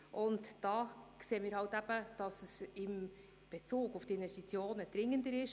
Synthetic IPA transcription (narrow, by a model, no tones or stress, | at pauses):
ʔʊntd̥ɑːkseːəmɪːɾhɑwtæb̥əd̥ɑsəsɪm | b̥et͡suːɡʊftiɪnvɛstit͡sjoːnəd̥̪ɾɪŋːəndəɾɪʃ